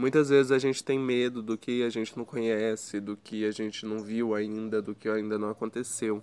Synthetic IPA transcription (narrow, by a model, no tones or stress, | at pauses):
mũj̃t̪ɐzvezɪzaʒẽnt͡ʃɪ̥t̪ẽj̃med̪ʊd̪ʊkɪaʒẽnt͡ʃɪnɐ̃w̃kõɲɛsɪd̪ʊkɪaʒẽnt͡ʃɪnɐ̃w̃viwaĩnd̪ɐd̪ʊkɪaĩnd̪ɐnɐ̃w̃akõt̪esew